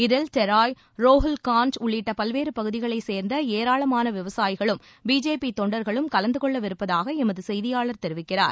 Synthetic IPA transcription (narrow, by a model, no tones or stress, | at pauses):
ɪðɪlt̪ɛɾaːj | ɾoːɦɐlkaːnt͡ʃʊɭːɪʈːɐpɐlʋeːɾɯpɐɣɯðɪɣɐɭɐɪseːɾnd̪ɐeːɾaːɭɐmaːnɐʋɪʋɐsaːjɪɣɐɭɯm | biːd͡ʒeːpit̪ɔɳɖɐɾɣɐɭɯmkɐlɐnd̪ɯkɔɭːɐʋɪɾɯpːɐðaːɣɐɛmɐðɯsɛjðɪjaːɭɐɾt̪ɛɾɪʋɪkːɪra̰ːɾ